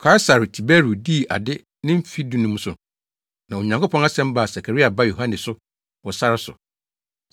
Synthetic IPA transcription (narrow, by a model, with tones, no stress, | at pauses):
kʰa˦ɪ˦sa˨ɾtʰi˨bɛ˦ɾu˨di˦˨ʔa̰˨dɪ˦ | nɪ̃˦m̩˦fi˦dũ˦nʊ̃˦m̩̃˦sʊ˨ | nã˨o˨ɲã˨ŋkʰo˦pʰɔ̃˦na˦sɛ̃˦m˦ba˨sa˨kʰa˨ɾi˦a˨ba˦jo˨ɦã˦nɪ̃˨sʊ˦ | wɔ˨sa˦ɾɪ˦sʊ̰˨